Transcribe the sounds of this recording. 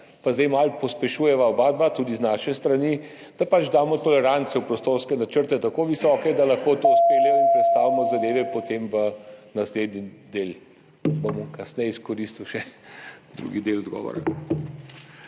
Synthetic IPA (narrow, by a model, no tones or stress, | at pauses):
pazd̪ɛjmalpɔspɛʃuːjɛʋaobaːd̪̚bat̪uːd̪iznaːʃɛst̪ɾani | d̪̥apat͡ʃd̪aːmɔt̪ɔlɛɾant̪sɛwpɾɔst̪oːɾskɛnat͡ʃəɾt̪ɛt̪akoːʋisɔːkɛd̪alɐxkot̪ouspeːlɛjɔinpɾɛt̪st̪aːʋimɔzad̪eːʋɛpot̪eːmʋənasleːd̪nid̪eːl | bomɔkɐsnɛjiskɔɾist̪uwʃɛd̪ɾṵɡid̪eːlɔd̪ɡɔ̰ːʋɔ̰ɾa̰